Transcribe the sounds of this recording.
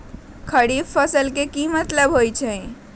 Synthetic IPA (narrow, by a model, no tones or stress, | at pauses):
kʰəɽibpʰːəsəlkekimət̪ləbɦojt͡ʃʰə̃